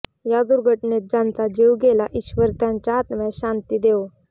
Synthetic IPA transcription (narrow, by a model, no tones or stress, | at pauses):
jad̪uɾɡʱəʈnet̪̚d͡ʑãnt͡sad͡ʑewɡʱelaʔiɕʋəɾt̪jãɲt͡ɕjaːt̪mɛ̃ɕant̪iːd̪e